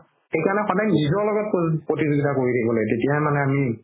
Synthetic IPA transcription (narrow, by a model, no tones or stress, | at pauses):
xejkaɹnɛxɔdajnizɔɹlɔɡɔt̚pɹotizuɡitakoɹitʰakʰibɔlɛtetijamanɛami